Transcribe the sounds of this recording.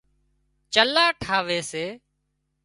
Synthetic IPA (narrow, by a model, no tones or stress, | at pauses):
t͡ʃəlaːʈʰaːʋeːseː